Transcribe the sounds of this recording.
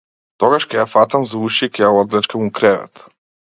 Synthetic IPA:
t̪ɔɡaʃkɛjafat̪amzauʃikʲɛjaɔd̪lɛt͡ʃkamukɾɛvɛ̰t̪

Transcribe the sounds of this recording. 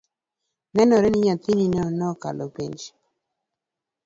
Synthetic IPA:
nɛnɔɾɛnɪɲat̪ininɛnɔka̰lopiɲd͡ʒ

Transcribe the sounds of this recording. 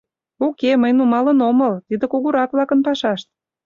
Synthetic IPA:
ukeməjnumɑlənoməlt̪id̪ĕkuɣuɾɑkβlɑkənpɑʃɑʃt̪̚

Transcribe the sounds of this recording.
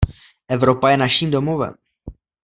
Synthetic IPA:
ʔɛvɾo̞pajɛnaʃiːmdomovɛ̰m

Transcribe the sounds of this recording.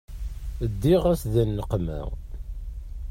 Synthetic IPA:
əd̪ːiʁæsðənːəqmæ̰

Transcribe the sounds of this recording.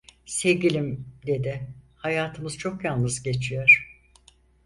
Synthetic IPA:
se̞vɟʲilʲimd̪e̞d̪ɪhajaːt̪ʰɯmɯz̥t͡ʃʰo̞kjalˠnɯzɟe̞t͡ʃʰijoɾ̥

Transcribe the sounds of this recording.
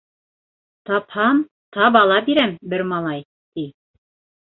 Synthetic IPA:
t̪ɑphɑm | t̪ɑp̬ɑlˠɑbiɾæmbɘɾmɑlˠɑj | t̪i

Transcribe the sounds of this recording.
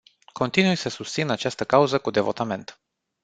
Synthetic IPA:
ko̞nt̪inujsəsust̪sinat͡ʃast̪əkauzəkud̪e̞vo̞t̪ame̞nt̪

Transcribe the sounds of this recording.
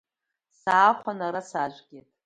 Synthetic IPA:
saːχʷanaɾasaʒʷɡʲetʼ

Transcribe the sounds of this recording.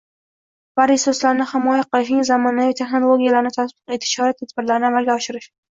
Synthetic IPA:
v̥aɾɪsoslaɾnɪhɪmɒjaqɨlˠɪʃ̬nɪŋzamɒnavit̪ʰe̞χnolˠoɡʲijalaɾɪnɪt̪ʰasbɪqet̪ʰɪ̥ʃhɒɾat̪ːʰad̪bɪɾlaɾɪnɪamalɡʲaɒʃɪɾɪʃ

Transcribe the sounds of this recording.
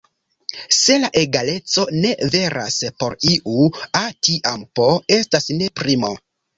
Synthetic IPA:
se̞laʔeɡale̞t͡so̞ne̞ve̞ɾʔa̰spo̞ɾiʔuatiʔampoe̞stasne̞pɾimo̞̰

